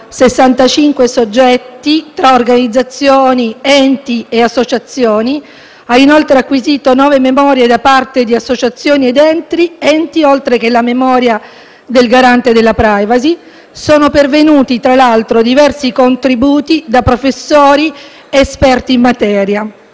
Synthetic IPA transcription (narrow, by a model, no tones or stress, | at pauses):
sesːant̪at͡ʃiŋkwesod͡ʒːɛt̪ːit̪ɾaorɡanid̪zːat̪sːjoːniɛnt̪ieasːot͡ʃat̪sːjoːni | ainolt̪ɾeakːwiziːt̪onɔːvememɔːɾjed̪apart̪ed̪iasːot͡ʃat̪sːjoːnied̪ɛnt̪ɾiɛnt̪iolt̪ɾekelamemɔːɾja | d̪elɡaɾant̪ed̪elːapɾajvazi | soːnopervenuːt̪it̪ɾalalt̪ɾod̪ivɛrsikont̪ɾibuːt̪id̪apɾofesːoːɾi | eːspɛrt̪iːmːat̪ɛːɾja